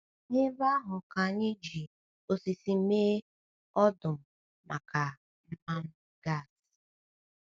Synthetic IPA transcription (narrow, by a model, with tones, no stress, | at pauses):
ɲɪ˦ba˦ɦʊ˨ka˨ɲɪ˦d͡ʒi˨ | o˨si˨si˨m̩˦meː˦ | ɔ˦dʊ˨m̩˨ | mʔa̰˨ka˨ | m̩˦ma˦m̩˦ | ɡa˦˨s